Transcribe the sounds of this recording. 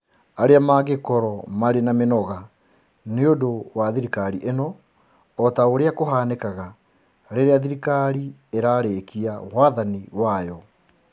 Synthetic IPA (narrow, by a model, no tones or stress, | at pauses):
aɾeamaɣekɔɾɔmaɾenamenɔɣa | neodowaðiɾikaɾiʔenɔː | taoɾeakoɦaːnekaɣa | ɾeɾeaðiɾikaɾieɾaːɾeːkiawaðaniwajɔ